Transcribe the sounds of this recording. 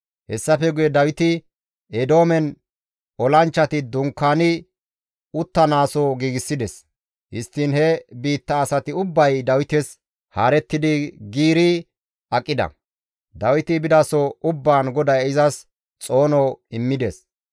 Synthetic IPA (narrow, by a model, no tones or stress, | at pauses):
hɛsːɐfɛɡʊjɛd̪ɐwɪt̪ɪ | ɛd̪o̞ːmɛn | ɔlɐnt͡ʃːɐt̪ɪd̪ʊŋkːaːnɪ | ʊt̪ːɐnaːsɔɡiːɡɪsːɪd̪ɛs | hɪst̪ːɪnhɛbiːt̪ːɐːsɐt̪ɪʊbːɐjd̪ɐwɪt̪ɛs | haːɾɛt̪ːɪd̪ɪɡiːɾi | ɐkʼːɪd̪ɐ̰ | d̪ɐwɪt̪ɪbɪd̪ɐsɔʊbːaːnɡɔd̪ɐjɪzɐs | t͡sʼo̞ːnɔɪmːɪd̪ɛs